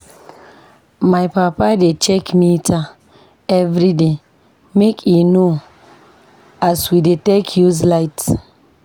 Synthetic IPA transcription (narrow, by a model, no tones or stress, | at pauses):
majpapadet͡ʃɛkmitʰa | ɛvɾide | mekino | aswidetekʰjuzlaɪt